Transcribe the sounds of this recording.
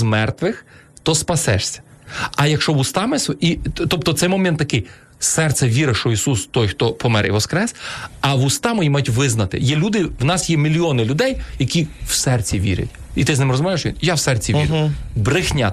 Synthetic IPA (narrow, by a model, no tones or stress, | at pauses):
mɛrt̪ʋɪx | t̪ɔspɐsɛ̰ʃsʲɐ̥ɐjɐkʃt͡ʃɔʋʊst̪ɑmɛsit̪ɔp̚t̪ɔt̪sɛjmɔmʲɛnt̪ːɐkɪj | sɛrt̪sɛʋʲiɾɐʃt͡ʃɔisust̪ɔjxt̪ɔpɔmɛɾḭʋɔskɾɛsɐʋʊst̪ɑmʊjimajtʲʋɪznɐt̪ɪ̰jɛlʲud̪ɪwnɑsjɛmʲilʲiɔnɪlʲʊd̪ɛjjɐkʲiwsɛrt͡sʲiʋʲḭɾʲɐ̰tʲ | it̪ɪznɪmrɔzmɔʋʲaɪʃʋʲinjawsɛrt͡sʲiʋʲḭɾbɾɪxnʲa̰